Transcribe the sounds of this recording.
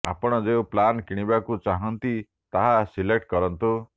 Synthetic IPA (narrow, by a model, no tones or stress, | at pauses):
a̰pɔɽ̃ɔd͡ʒeuplankiɽ̃ibakut͡ʃaɦɔnt̪i | t̪aɦasilek̚ʈkɔɾɔnt̪u